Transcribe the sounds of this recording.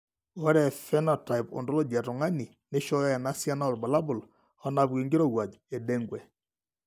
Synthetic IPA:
wɔ˦ɾɛ˨fɛ˦nɔ˨ta˨jpo̰˨ndo˦lo˦d͡ʒa˨to˨ŋa˦ni˨ | ne˦ʃɔ˦jɛ˨na˦sja˦na˦˨ɾba˨la˦bʊ˨l | ɔ˦na˨bɡi˨ŋɡi˦ɾo˦˨ɣwa˨d͡ʒɛ˨dɛ˦ŋɡwɛ˨

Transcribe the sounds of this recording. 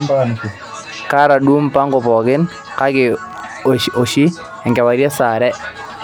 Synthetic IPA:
mba˨n˨k | ka˦ɾa˨du˦mpa˦ŋɡʊ˨pɔ˨ɡɪ˦n | ka˦ɡɪ˨ | o˨ʃi˦ | ɛ˨ŋɡɛ˨wa˨ɾjɛ˦sa˨ɾɛ˦

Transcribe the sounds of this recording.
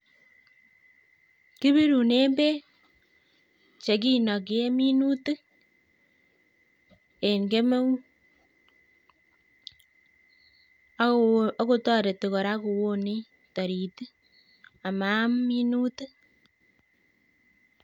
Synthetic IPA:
ki˦βi˦ɾu˨ne˦mbe˦ | t͡ʃe˨k̬i˦nɔ˨k̬i˦e˦mi˦nu˦tɨ˦ | e˨ŋɡe˦me˦wu˦ | o˦ko˦˧tɔ˦ɾe˨te˨ko˨ɾa˦ku˨wo˦ni˦ | tɔ˨ɾi˨ti˦ | a˨ma˨˦mmi˦nu˦tɨ˦

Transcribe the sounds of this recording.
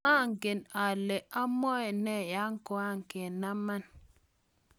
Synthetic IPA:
a˦˨ŋke˨na˨lɛ˨ʔa˦mɔ˦ɛ˨nɛ˦˨ja˦ŋ˦ko˨a˦ŋke˨na˦ma˦n

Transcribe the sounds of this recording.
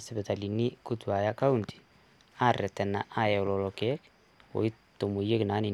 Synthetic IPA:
sɛbɛ˨t̪a˨li˨ni˦ku˦t̪ua˨jaka˦unti̥ | a˦rɛ˨t̪ɛ˨na˨ʔa˦jɛ˨ɔ˨lɔlɔkɛ˦k | o̰˨i˦ | t̪o˨mo˨je˦kna˨˦ni˨

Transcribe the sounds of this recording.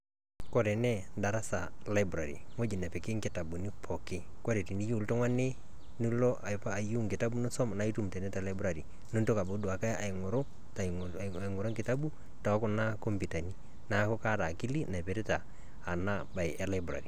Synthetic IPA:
kɔ˦ɾɛ˨nɛ˦nda˨ɾa˦sa˨la˦ɪ˦bɾa˨ɾḭ˨ŋo˦d͡ʒi˨nɛ˨pɛ˨kɪ˦ŋkɪ˨ta˨bu˨ni˦pʰɔ˨kɪ˦ | ko˦ɾe˨ti˨ni˦ju˦˨ltɔ˦ŋwa˦ne˦ | ni˦lɔ˦ʔa˨pa˨ju˦ŋkɪ˨ta˦bu˦nu˦sɔ˦m˨na˦i˦tu˦˨mtɛ˨nɛ˦ta˨la˦ɪ˦bɾa˨ɾi˨ | nu˦nto˦ka˨bo˦du˨a˨ka˦a˨ɪ˨ŋɔ˨ɾo˦ | t | a˨ŋo˨ɾo˦ŋkɪ˨ta˦bu˦ | ta˨a˦kʊ˦na˦ko˦mpi˨ta˨ni˦ | na˨˦kɔ˦ka˦ta˨ki˦li˦na˨pe˨ɾi˦taː˨ | na˦ba˨ɪʔɛ˦la˦ɪ˦bɾa̰˨ɾi˨

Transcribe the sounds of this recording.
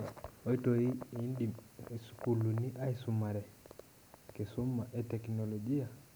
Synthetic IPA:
o˦i˦to˨i˦i˦ndi˨i˨su̥ku˨luni˦ʔa˦isuma˨ɾɛ˨ | ke˨su˦ma˨ʔɛtɛknɔlɔ˨d͡ʒi˦a˨

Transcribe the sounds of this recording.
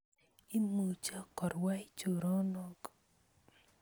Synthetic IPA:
i˦mu˨t͡ʃa˦kɔ˨ɾwa˦i˦t͡ʃo˨ɾɔ˦nɔ˦ɡ

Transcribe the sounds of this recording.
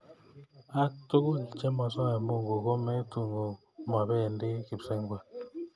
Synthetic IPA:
a˦to˦ku˦lt͡ʃɛ˦ma˨sa˦a˨mo˦˨ŋɡo˨ko˦mɛ˦tu˨ŋo˨ | m˨a˨bɛ˦˨ndi˦ki˨psɛ˦ŋɡwɛ˨

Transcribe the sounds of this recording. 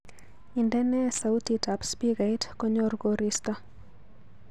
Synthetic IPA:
i˨ndɛ˦nɛ˦sa˨u˦ti˨ta˨pspiɡa˨jtkɔ˦ɲɔ˦rɡoɾist̪ɔ˦

